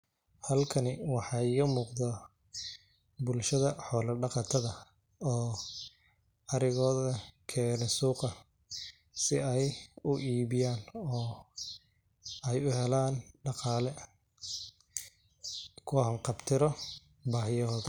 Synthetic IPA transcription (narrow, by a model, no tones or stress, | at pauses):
hɐlkʰɐnɪwɑħɑːɪɣɐmuːqðɐ | bʊlʃɐðɐħɔːlɐɖɑqɑt̪ʰɐðɐ | ɔː | ɐɾɪɣɔːðɐkʰɛːnɛsuːqɐ | sɪɛjʊʔiːβɪjaːnɔː | ɛjʊɦɛlaːnɖɑqɑːlɛ | kʰʊhɐŋqɑbt̪ʰɪɾɔ | baːɦɪjɐɦɔːðɐ